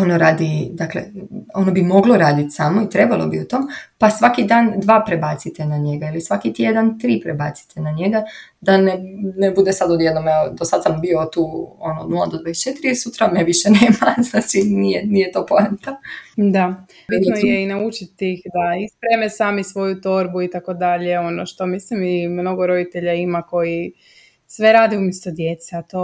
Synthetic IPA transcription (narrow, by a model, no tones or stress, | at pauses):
o̞noɾaːd̪id̪aklḛo̞nobimo̞ɡloɾaːd̪it̪samo̞it̪ɾe̞balˠo̰biut̪o̞ːmpasʋakid̪aːnd̪ʋaːpɾebat̪sit̪enaɲe̞ɡailisʋakit̪je̞d̪ant̪ɾiːpɾebat̪si̥t̪ʰenaɲe̞ɡa | d̪anenebud̪esad̪od̪je̞d̪nomɛod̪osad̪sambio̞t̪uːo̞nooːd̪nulˠad̪od̪ʋajest͡ʃe̞t̪iɾisut̪ɾameʋiʃeneːmaznat͡ʃinijenijet̪oːpont̪ad̪a | bit̪nojjeinaut͡ʃit̪ixd̪aispɾemesaːmisʋo̞jut̪o̞ɾbuit̪ako̞d̪aʎeo̞noʃt̪o̞mislimimno̞ɡo̞ɾo̞d̪it̪e̞ʎaimako̞ji | sʋe̞ɾaːd̪iumjest̪od̪jet̪seat̪o